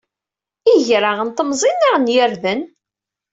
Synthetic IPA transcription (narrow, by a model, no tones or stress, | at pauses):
iʝɾaʁənt̪əmzˤinːiʁnjəɾðən